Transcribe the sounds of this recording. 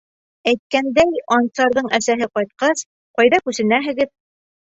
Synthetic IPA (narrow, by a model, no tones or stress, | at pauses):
æjt̪̚kænd̪æjɑnt̪sɑɾðɤɴæsæɦɘqɒjt̪̚qɑs | qɒjðɑkʉsɘ̆næɦɘ̆ɡɘð